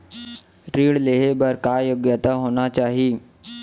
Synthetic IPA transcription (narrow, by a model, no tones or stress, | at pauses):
ɾiːɽleɦebəɾkajoɡjət̪aɦoɽ̃at͡ɕaɦiː